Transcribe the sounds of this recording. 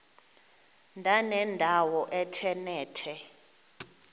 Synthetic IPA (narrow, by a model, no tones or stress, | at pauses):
ndʱanɛndʱawɔʔɛtʰɛnɛːtʰɛ